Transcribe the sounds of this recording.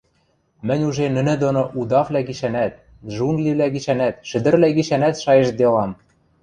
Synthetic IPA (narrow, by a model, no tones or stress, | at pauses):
mɘ̆nʲuʒenɘ̆nɘ̆d̪onoʔud̪ɑvlʲæɡiʃænæt̪̚ | ʒuŋɡliβlʲæɡiʃænæt̪ʃɘ̆d̪ɘ̆rlæɡiʃænæt̪ʃɑjĕʃd̪elɑm